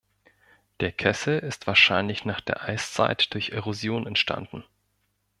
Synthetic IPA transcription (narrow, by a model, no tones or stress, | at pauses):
d̥eːɐkʰɛsl̩ɪstv̥aːɐʃaɪnlɪçnaːχd̥eːɐʔaɪst͡sa̰ɪtd̥ʊɐçʔeʁozjoːnɛntʃtʰa̰nd̥n̩